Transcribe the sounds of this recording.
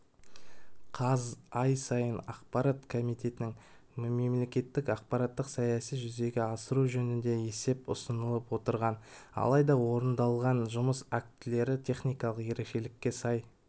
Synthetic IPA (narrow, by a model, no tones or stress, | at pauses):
qʰɑzɑjsɑjənɑ̰qpɑɾat̪kʰo̞mijt̪e̞t̪ɪnɪŋmeme̞mle̞kʲe̞t̪ːɪkɑq̚pɑɾɑt̪ːəqsɑjɑsijʒʏze̞ɡʲe̞ɑsəɾuʒɵnɪnd̪e̞e̞se̞pʊ̰sənəlˠəpwo̞t̪əɾʁɑnɑ̰lˠɑjd̪ɑwo̞ɾənd̪ɑlˠʁɑnʒʊməsæk̚t̪ɪle̞ɾɪt̪ʲʰe̞χnijkɑlˠəqje̞ɾe̞kʃe̞lɪkʲːe̞sɑj